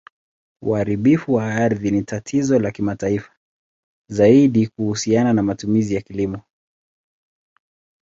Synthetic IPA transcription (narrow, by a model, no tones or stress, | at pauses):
uhaɾiɓifuwaaɾðinitatʰizɔlakimataifḁ | zaiɗikuhusiananamatumizijakilimɔ